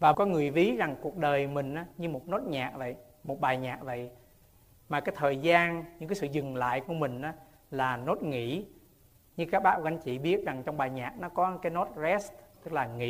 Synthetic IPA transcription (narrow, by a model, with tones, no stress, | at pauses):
vaː˨˩kɔ˨˦ŋɨ˨˩əjvi˨˦za˨˩ŋku˨˩ək̚ɗəː˨˩jmï˨˩ŋ̟ʔaː˨˦ɲɨ˧mo˨˩t̚no˦˥t̚ɲaː˨˩k̚və̰˧˨j | mo˨˩t̚ɓaː˨˩jɲaː˨˩k̚və̰˧˨j | maː˨˩kaː˨˦jt̪ʰəː˨˩jzaː˧nɲɨ̰˧˥ŋaː˨˦sɨ̰˧˨zɨ˨˩ŋla̰ː˧˨jku˧˩əmï˨˩ŋ̟ʔaː˨˦ | laː˨˩no˦˥t̚ŋḭ˧˥ | ɲɨ˧kaː˦˥k̚ɓaː˦˥wɣa˧˨˦ŋ̟t͡ɕḭ˧˨ɓi˦˥ət̚za˨˩ŋt͡ɕɔ˧wŋ͡mɓaː˨˩jɲaː˨˩k̚nɔ˨˦kɔ˨˦kaː˨˦jno˦˥t̚zɛ˦˥stt̪ɨ˦˥k̚laː˨˩ŋḭ˧˥